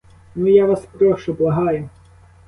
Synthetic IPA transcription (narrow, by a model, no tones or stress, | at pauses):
nujaʋaspɾɔʃt͡ʃɔblˠɐɦɑjʊ